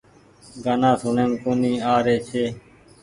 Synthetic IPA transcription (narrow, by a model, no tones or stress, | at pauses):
ɡanãːsʊneːmkuːniːaːɾeːt͡ʃʰeː